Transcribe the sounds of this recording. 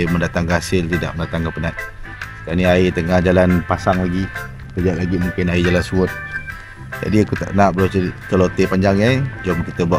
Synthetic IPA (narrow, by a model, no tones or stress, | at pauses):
məndat̪aŋkəɦasɪlt̪ida̰ʔməndat̪aŋkəpənat̪̚ | kaniait̪əŋahd͡ʒalanpasaŋlaɡi | t̪əɡaʔlaɡimuŋkɪnaid͡ʒalansuət̪̚ | d͡ʒa̰diakut̪a̰ʔnaʔbəɾat͡ʃət̪əlot̪epaɲd͡ʒaŋad͡ʒɔmkit̪əbuaʔ